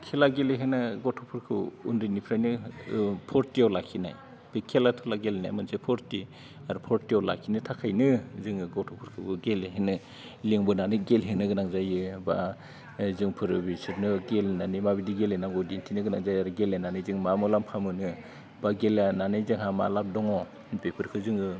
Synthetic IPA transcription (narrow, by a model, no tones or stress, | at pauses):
kʰelaɡeleɦenaɡɔtʰɔpʰuɾkʰɯṵnɾinipʰɾajnɯ | pʰɔɾtiawlakʰina̰j | b̥ekʰelatʰɔlaɡelna̰jmɯnsepʰɔɾti | aɾpʰɔɾtiawla̰kʰinɯtʰakʰajnɯzɯŋɡɔtʰɔpʰuɾkʰɯɯɡeleɦenɯ | liŋbɯnanɯɡelɦenɯɡɯnaŋzajɯba̰ | zɯŋpʰɯɾɯbisɯɾnɯɡelnanijmabidiɡelenamɡɔdentʰinɯɡɯnaŋzajaɾɯɡelenanɯjzɯŋmamɔlampʰamɯnɯ | baɡelananajzɯŋɦama̰lap̚dɔŋɔ | bepʰɯɾkʰɯzɯŋɯ